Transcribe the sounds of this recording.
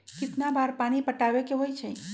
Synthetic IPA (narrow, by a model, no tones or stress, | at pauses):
kɪt̪nabaːɾpaːñipəʈaːwekeɦojt͡ʃʰɛ